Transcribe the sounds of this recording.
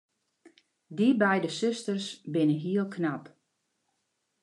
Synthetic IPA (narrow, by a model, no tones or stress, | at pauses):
dibɛjdəsøstərsbɪnəɦiəlˠkʰnap